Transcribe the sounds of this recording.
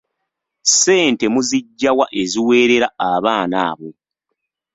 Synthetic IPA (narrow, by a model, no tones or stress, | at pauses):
se̞ːnte̞muziɟːawaʔe̞ziwe̞ːɾe̞ɾaaβaːnaːβo̞